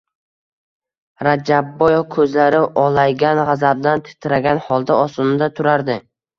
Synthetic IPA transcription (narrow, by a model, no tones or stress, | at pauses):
ɾad͡ʒabːɒjɒvkʰɵzlaɾɪʔɒlajɡʲanʁazab̚d̪ant̪ʰɪ̥t̪ʰɪɾaɡʲanhɒlˠd̪aɒsʊnɪd̪at̪ʰʊɾaɾd̪ɪ